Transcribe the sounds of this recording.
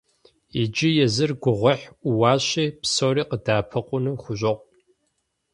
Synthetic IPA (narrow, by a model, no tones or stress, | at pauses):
id͡ʒɪjɛzɨrɡʷʊʁʷɔħʷʊwɑːɕiːpsoːɾiːqədaːpʰɐqʷʼʊnɨxʷʊɕʷʼɪqʷ